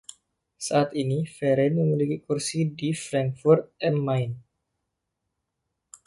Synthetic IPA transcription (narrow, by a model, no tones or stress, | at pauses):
saʔat̪inifɛɾɛnməmilikikursidifɾaŋkfurt̪̚ɛnmajn